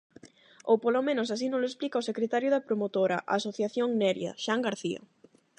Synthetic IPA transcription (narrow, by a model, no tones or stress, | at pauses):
owpolomẽnosas̬inõŋloesplikaosekɾet̪aɾjʊðɐpɾomot̪oɾaʔasoθjaθjoŋnɛɾja̰ʃaŋɡaɾθia̰